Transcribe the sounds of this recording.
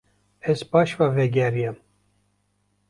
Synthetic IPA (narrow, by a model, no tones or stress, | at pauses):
ɛzbɑːʃvɑvɛɡʲɛɾijɛm